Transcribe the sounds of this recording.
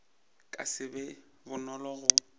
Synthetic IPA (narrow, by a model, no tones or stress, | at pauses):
kʼa̰sɪbɛ | bʊnɔlɔɣʊ